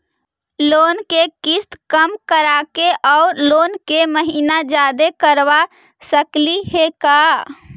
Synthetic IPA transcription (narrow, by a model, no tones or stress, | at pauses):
loːnkekist̪kəmkəɾakeʔɔʊɾlonkeməɦinad͡ʒad̪ekəɾʋa | səkliheka